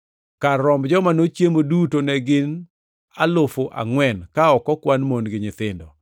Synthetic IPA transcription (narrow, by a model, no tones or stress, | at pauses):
karɔmbd͡ʒɔmanot͡ʃjemodutonɛɡɪn | alʊfoʔa̰ŋwɛnkaɔkɔkwanmonɡɪɲɪt̪ɪndɔ